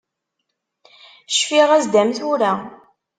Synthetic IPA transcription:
ʃfiʁæzd̪æmθʊɾæ

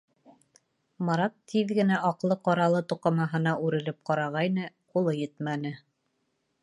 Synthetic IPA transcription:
mɑɾɑt̪ʰːiðɡɘ̆næʔɑqlˠɤqɑɾɑlˠɤt̪uqɑmɑɦɤ̆nɑʔʉɾɘ̆lɘp̚qɑɾɑʁɑjnɤ | qulˠɤjɘt̪mænɘ

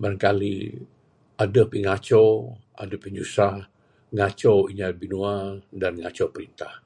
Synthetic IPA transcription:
baɾaŋkalḭ | adəhpiŋat͡ʃo | a̰dəpiɲusah | ŋat͡ʃowiɲabinuadanŋat͡ʃowpəɾint̪ah

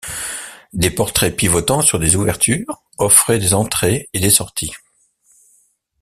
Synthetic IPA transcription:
d̪epɔʁt̪χɛpivɔt̪ɑ̃syʁd̪ezuvɛʁt̪ʰyːʁ | ɔfχɛd̪ezɑ̃t̪χeed̪esɔʁt̪ʰi

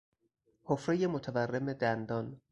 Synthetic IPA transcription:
hofɾejemot̪ʰæværːe̞med̪ænd̪ɒn

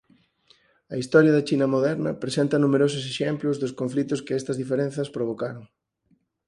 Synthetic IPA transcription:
ɐist̪ɔɾjɐðɐt͡ʃinɐmoðɛɾnɐ̰pɾesent̪ɐnumeɾosʊseʃemplʊzðʊskoɱflit̪ʊskɪɛst̪ɐzðifeɾẽn̟θɐspɾoβ̞okaɾoŋ

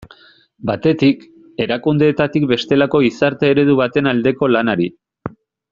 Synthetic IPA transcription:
bat̪e̞t̪ik | e̞ɾakund̪e̞ːt̪at̪ikbe̞st̪e̞lako̞isaɾt̪e̞ːɾe̞ð̞uβat̪e̞nald̪e̞ko̞lanaɾi

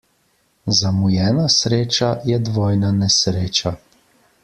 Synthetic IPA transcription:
zamujɛːnasɾeːt͡ʃajɛd̪ʋɔːjnanɛsɾeːt͡ʃa

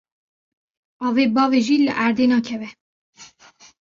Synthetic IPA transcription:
ɑːveːbɑːveʒiːlə̰ʔæɾd̪eːnɑːkʰɛvɛ

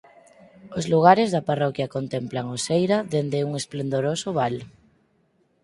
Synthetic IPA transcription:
ozluɣ̞aɾezðaparɔkjakont̪emplaŋosejɾaðend̪euŋesplend̪oɾosʊβal

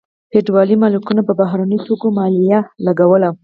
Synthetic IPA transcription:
peʈwɑlimɑlukunapəbaɦɾanəjt̪okomɑlijalaɡawəla

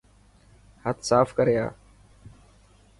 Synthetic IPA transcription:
hət̪ʰsaːfkəɾeja̰ː

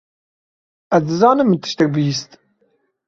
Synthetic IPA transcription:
ɛzd̪ɨzɑːnɨmːɨt̪ʰɨ̥ʃt̪ɛk̚bɨjist̪

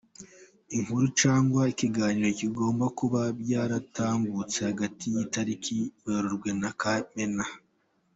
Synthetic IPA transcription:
iŋuɾut͡ʃaːŋɡwaiciɡaːɲiɾociɡo̞ːmbakuβabjaːɾataːmbut͡se̞haɡatijitaɾikiβaɾoɾɡwe̞nakamena

